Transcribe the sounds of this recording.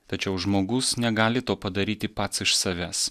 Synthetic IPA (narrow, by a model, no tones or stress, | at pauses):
t̪ɐt͡ʃʲɛʊʒmoːɡʊsnʲɛɡɑːlʲɪt̪oːpɐd̪ɐɾʲiːt̪ʲɪpɐt̪sɪʃsɐʋʲæːs